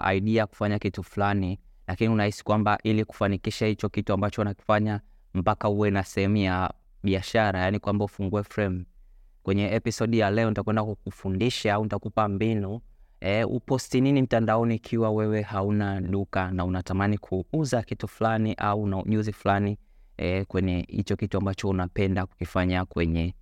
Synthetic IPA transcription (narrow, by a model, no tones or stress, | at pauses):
a̰iɗiajaku̥faɲakituflanilakiniunahisi̥kwambaʔiliku̥fanikiʃahit͡ʃɔkituambat͡ʃɔunaki̥faɲa | m̩pakauwɛnasɛhɛmuja | ɓiaʃaɾajanikwambaufuŋɡuɛfɾɛm | kwɛɲɛɛpisɔɗjalɛɔnitakwɛndakk̚ufundiʃaaunitakupambinuɛṵpɔstininim̩tandaɔniːkʰiwawɛwɛhaunalukanaunatamanikʰuuzakituflaniʔauna̰ɲuziflani | ɛkwɛɲɛhḭt͡ʃɔkituambat͡ʃɔunapɛndaku̥kifaɲakwɛɲɛ